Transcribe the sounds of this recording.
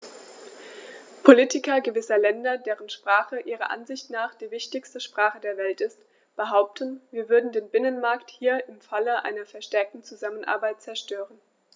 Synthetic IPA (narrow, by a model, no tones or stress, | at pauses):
pʰoliːtɪkɐɡəvɪsɐlɛndɐdeːʁənʃpʁ̥aːχəʔiːʁɐ̰ʔa̰nzɪçtnaːχd̥iːvɪçtɪçstəʃpʁ̥aːχədeːɐvɛltɪst | b̥əɦaʊp̚tʰənviːɐvʏɐdn̩deːnbɪnənmaɐkthiːɐʔɪmfaləʔa̰ɪnɐfɛɐʃtɛɐk̚tn̩t͡suzamənʔa̰ɐbaɪt̚t͡sɛɐʃtøːʁən